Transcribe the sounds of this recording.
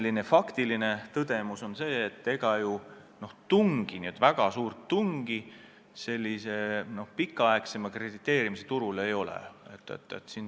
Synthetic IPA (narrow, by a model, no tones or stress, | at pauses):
lːine̞fɑkt̪iline̞t̪ɤd̪̥e̞muso̞nse̞ːt̪ːe̞ɡ̥ɑju | no̞ht̪uŋɡ̥iniet̪ːˑvæɡ̥ɑsuːrt̪ːuŋɡ̥i | se̞lʲːise̞no̞hpikːˑɑɑekse̞mɑkre̞d̪̥it̪ːˑe̞ːɾimiset̪uɾule̞jo̞lḛet̪ːˑḛt̪ːˑḛt̪sin